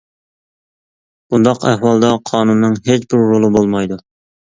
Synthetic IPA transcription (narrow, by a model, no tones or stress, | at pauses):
b̥und̪ɑqæhwɑlˠd̪ɑqʰɑːnunːɨŋɦet͡ʃbɪɾːolˠɨbolˠmɑjd̪u